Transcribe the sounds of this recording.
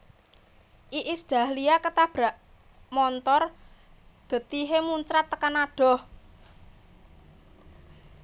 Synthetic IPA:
ʔiʔisd̪̥a̤hliakət̪ab̥ɾaʔ | mɔnt̪ɔr | ɡ̥ə̤t̪iɦemuɲt͡ʃɾat̪ːəkanaɖ̥ɔ̤h

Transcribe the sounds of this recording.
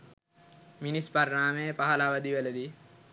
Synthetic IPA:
minispaɾːaːmepaɦɐlaʋɐd̪iʋelɐd̪i

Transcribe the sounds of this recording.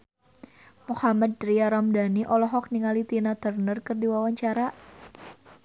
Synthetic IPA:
muhamad̪̚ɾiaɾamdaniʔɔlɔɦɔk̚niŋalit̪inat̪ərnərkɨrdiwawaɲt͡ʃaɾa

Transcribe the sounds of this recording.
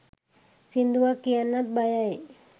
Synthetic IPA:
sind̪uakianat̪̚bajaj

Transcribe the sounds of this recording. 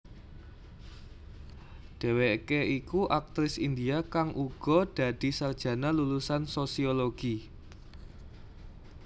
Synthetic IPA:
ɖ̪̥e̤weʔkeikuʔak̚t̪ɾɪsind̪iakaŋʔuɡ̥ɔ̤d̥ä̤d̪̥i̤sard̥ʒ̥ä̤nalulusansosioloɡ̥i

